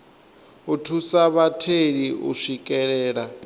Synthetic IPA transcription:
utʰusaβatʰeɺiʔṵʃikʼɛɺɛːɺa

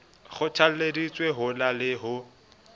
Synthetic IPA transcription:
χʊt͡ʃʰal̩ledit͡sʼweɦʊlalɪɦʊ

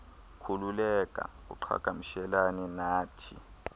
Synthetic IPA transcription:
kʰululɛk̬ʼa̰kṵǃʰa̰kʼamiʃɛlanɛnaːtʰḭ

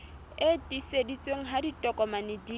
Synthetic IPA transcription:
etʼisedit͡sʼweŋ̩ɦaditʼɔkʼɔmanɪdi

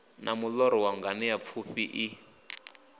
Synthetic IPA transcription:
nʔamulɔɾɔwaŋɡanɛjap̪fʰuɸiʔi

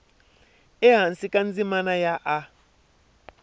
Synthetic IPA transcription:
ɛɦansikʼand͡zimanajaʔa

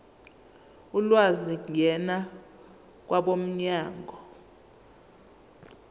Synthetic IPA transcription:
ulwaziŋʱɛna | k̬wʔaɓom̩ɲaːŋɡʱɔ

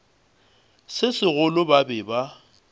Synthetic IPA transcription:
sɪsɪɣʊlʊbabɪba

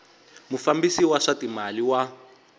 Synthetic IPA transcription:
mufambisiwaʂatimaliwa

